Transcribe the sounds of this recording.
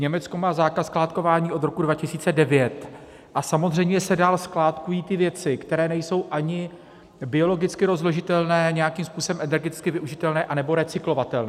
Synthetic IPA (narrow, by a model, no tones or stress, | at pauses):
ɲɛmɛt͡sko̞maːzaːkasklaːt̪ko̞vaːɲiːo̞d̪ɾo̞kudvacɪsiːt͡sɛdɛvjɛt̪ | ʔasamozr̝ɛjmɲɛsɛdaːlsklaːt̪kujiːt̪ɪvjɛt͡sɪkt̪ɛɾɛːnɛjso̞wʔaɲɪ | bɪo̞lo̞ɡɪt͡skɪɾo̞zloʒɪt̪ɛlnɛːɲɛjakiːmspuːsobɛmʔɛnɛɾɡɪt͡skɪvɪʔuʒɪt̪ɛlnɛːʔanɛbo̞ɾɛt͡sɪklo̞vat̪ɛlnɛː